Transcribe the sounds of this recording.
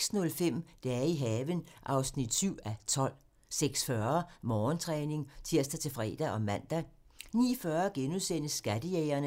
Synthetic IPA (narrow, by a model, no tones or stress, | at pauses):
snɔ̽lfem̰d̥ææɐiɦɛːʋənʔɑ̈ʊsnid̥syʊ̰æt͡sʰɒ̽l̰ | seɡ̥sfɶɐmɒːnt͡sʰʁɛːne̝ŋt͡sʰiɐ̰sd̥æt͡sʰe̝fʁɛ̰ːd̥æʔɒ̽mæn̰d̥æ | nḭːfɶɐɡ̥enuðˠsen̰əsːɡ̥æd̥əjɛɪɐnə